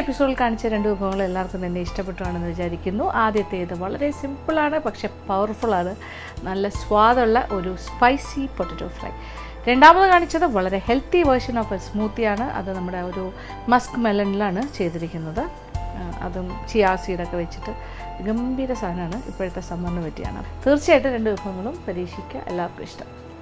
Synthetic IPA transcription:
episoːɖilkaːɳit͡ɕːɐɾe̞ɳɖɨd̪ubʱɐʋɐŋːɐɭie̞lːaːrkːumt̪ɐnːe̞iʂʈɐpːeʈːuʋaːɳɨniʋɐt͡ɕaːɾikʲːunːuʔaːd̪jɐt̪ːe̞jiðɨʋɐɭɐɾe̞simbɨɭaːɳɨpɐkʂe̞pɐʋɐrfuɭaːɳɨ | nɐlːɐsʋaːðɐuɭːɐʔo̞ɾuspɐjsipoʈːɐʈːo̰ːfrɐ̰j | ɾe̞ɳɖaːmɐðːɨkaːɳit͡ɕːɐðɨʋɐɭɐɾe̞he̞lt̪iʋɐrʂɐnofɨsmuːt̪ːijaːɳɨʔɐ̰ðɨnɐmːuɽe̞o̞ɾu | mɐskmelɐnilaːɳɨt͡ɕe̞jt̪ːiɾikʲːunːɐðɨ | ɐ̰ðɨt͡ɕijaːrsiːɾokːe̞ʋet͡ɕːi̥ʈːɨ | ɡɐmbʱiːɾɐsaːɐnaːɳɨʔḭpːojɐt̪ːesɐmbɐnːɨpɐtːija̰ːɳɨ̰t̪iːrt͡ɕːijaːjiʈːɨɾe̞ɳɖɨʋɐbʱɐŋːɐɭumpɐɾiːkʂikʲːɐʔḛlːaːkɾɨ̰ʂʈɐm

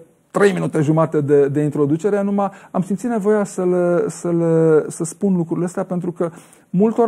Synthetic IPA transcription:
t̪ɾe̞jminut̪e̞ʒumat̪ed̪e̞d̪e̞int̪ɾo̞d̪ut͡ʃe̞ɾeanumaamsimt̪sit̪nevo̞jasəlsəlsəspunlukɾuleəst̪eape̞nt̪ɾukə | mult̪o

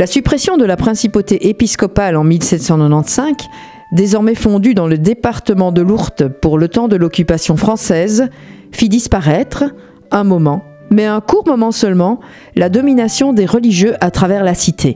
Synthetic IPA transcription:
lasypχɛsjɔ̃d̪əlapχɛ̃sipot̪eʔepiskɔpalɑ̃milsɛt̪sɑ̃nɔnɑ̃t̪sɛ̃k | d̪ezɔʁmɛfɔ̃d̪yd̪ɑ̃ləd̪epaʁt̪əmɑ̃d̪əluʁt̪puʁlət̪ɑ̃d̪əlɔkʲypasjɔ̃fχɑ̃sɛz | fid̪ispaʁɛt̪χ | ɛ̃mɔmɑ̃ | mɛɛ̃kuʁmɔmɑ̃sœlmɑ̃ | lad̪ɔminasjɔ̃d̪eʁəliʒjøʔat̪χavɛʁlasit̪ʰe

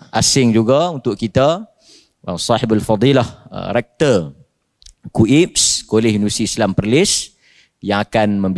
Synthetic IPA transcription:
ʔasɪŋd͡ʒuɡaunt̪ʊʔkit̪a | ʔə̰sɑħɪbalfɑd̪ˤilahə̰ɾɛk̚t̪ər | kuʔip̚skolɪhinusiislampərlɪs | jaŋakanmə̃mb

